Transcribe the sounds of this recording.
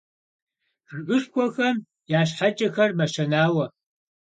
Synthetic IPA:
rɨʔʼɨʂkʷʰɔxɐm | jaːɕ̬ħat͡ʃʼɐxɐrmɐʃɐnaːwɐ

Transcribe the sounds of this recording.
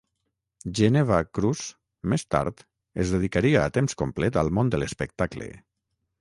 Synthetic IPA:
ʒeneβakɾuz | mest̪a̰ɾt̪ | ezðeðikaɾiaːt̪emskomplɛt̪alˠmond̪ələspək̚t̪aklḛ

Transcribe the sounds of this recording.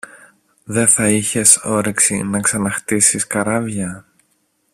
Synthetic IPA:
ðe̞θɐiçe̞so̞ɾeksinɐksɐnɐxt̪isiskɐɾɐvʝɐ

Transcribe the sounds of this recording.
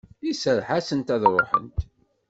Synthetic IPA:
isəɾħasənt̪æðɾˤoħə̰nt̪

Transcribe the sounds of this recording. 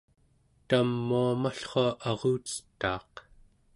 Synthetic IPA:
t̪amːuamaɬχoaʔɑʁuːt͡sə̥t̪ːɑːq

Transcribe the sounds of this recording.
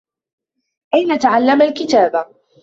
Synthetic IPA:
ʔajnat̪aʕalːamalkɪt̪aːba

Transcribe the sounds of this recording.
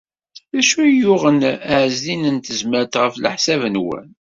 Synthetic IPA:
ðæʃujʊʁənæʕzlinənt̪əzməɾt̪ʁəflə̰ħsævənwæ̰n

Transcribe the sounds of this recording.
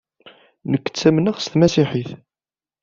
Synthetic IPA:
nəkːə̥t͡sːæmnəʁst̪mæsiħiθ

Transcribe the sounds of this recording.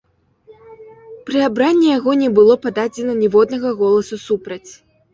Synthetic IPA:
pɾɨabɾanʲːɛjaɣɔnʲɛbɨlˠɔpad̪ad͡zʲɛnɐnʲɛvɔd̪nɐɣɐɣɔlˠɐsusupɾɐt͡sʲ

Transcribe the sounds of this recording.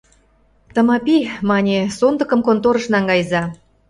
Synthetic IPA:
t̪ə̆mɑpimɑnʲesond̪ə̆kə̆mkont̪oɾə̆ʃnɑŋɡɑjzɑ

